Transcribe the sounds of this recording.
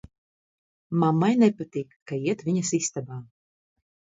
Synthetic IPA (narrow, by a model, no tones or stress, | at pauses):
mamːajnɛpat̪iːkːaiɛt̪viɲɐsist̪abaː